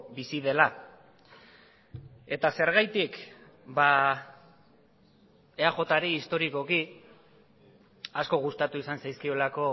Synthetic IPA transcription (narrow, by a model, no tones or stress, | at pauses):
bisiðe̞la | e̞t̪ase̞ɾɣ̞ajt̪ik | ba | eaʝo̞t̪aɾiːst̪o̞ɾiko̞ki | asko̞ɣ̞ust̪at̪uisansajskio̞lako̞